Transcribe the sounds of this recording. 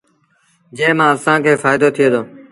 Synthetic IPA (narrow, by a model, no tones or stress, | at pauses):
d͡ʒeːmãːəsãːkʰeːfaːɪd̪oːt̪ʰɪeːd̪oː